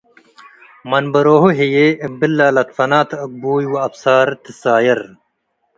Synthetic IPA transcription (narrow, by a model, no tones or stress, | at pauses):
mɐnbɐɾoːɦuɦejebilːaːlɐt̪fɐnaːt̪ʰɐk̚buːjwɐɐpsaːɾt̪isaːjɐɾ